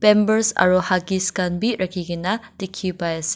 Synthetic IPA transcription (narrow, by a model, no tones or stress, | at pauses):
bembəɾsa̰ɾuhaɡiskanbit̚ɾʔakʰiɡinadikʰːibajɐsi̥